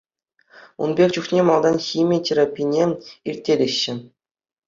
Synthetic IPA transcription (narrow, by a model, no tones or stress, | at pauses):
ṵnbʲekʲt͡ɕuχnʲemɑlˠd̪ɑnxʲimʲitʲerapʲijnʲeirʲtʲːeɾʲeɕːɘ̆